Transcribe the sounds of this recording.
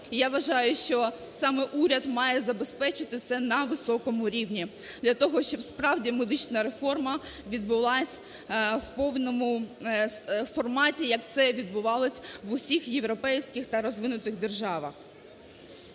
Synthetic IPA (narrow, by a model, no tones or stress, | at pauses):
ijaʋɐʒɑjʊʃt͡ʃɔ | sɑmɛʔuɾʲɐd̪mɑjɛzɐbespɛt͡ʃɪt̪ɪt̪sɛnɐʋɪsɔkɔmʊɾʲiwnʲid̪lʲɐt̪ɔɦɔʃt͡ʃɔbspɾɑwdʲimed̪ɪt͡ʃnɐɾe̞fɔrmɐʋʲid̪̚bʊlˠɑsʲ | wpɔwnɔmʊ | fɔrmɑtʲijɐkt̪sɛʋʲid̪̚bʊʋɑlˠɔsʲʋʊsʲixjeʋɾɔpɛjsʲkɪxt̪ɐɾɔzʋɪnʊt̪ɪɣd̪e̞rʒɑʋɐx